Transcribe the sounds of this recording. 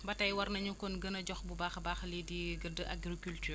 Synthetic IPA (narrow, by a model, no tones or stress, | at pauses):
bɐtɐjwɐrnɐɲukɔnɡənɐɟɔxbubaːxbaːxlidiɡədəʔa̰ɡɾikyltyːr